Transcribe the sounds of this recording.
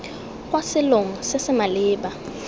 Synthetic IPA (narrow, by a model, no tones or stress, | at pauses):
k̬ʼwasɪloŋ̩sesɪmalɪːɓa